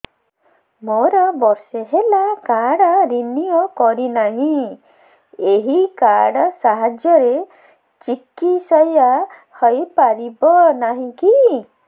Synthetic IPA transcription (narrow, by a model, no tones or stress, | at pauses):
moɾɔbɔɾseɦelakaɽɔɾinijɔkɔɾinaɦĩ | eɦikaɽɔsaɦad͡ʒjɔɾe | t͡ʃikisɔja | hɔjpaɾibɔnaɦĩki